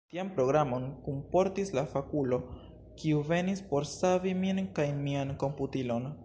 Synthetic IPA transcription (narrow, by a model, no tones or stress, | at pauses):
tiampɾo̞ɡɾamo̞nkumpo̞ɾtislafakulo̞ | kiuve̞nispo̞ɾsaviminkajmianko̞mputilo̞n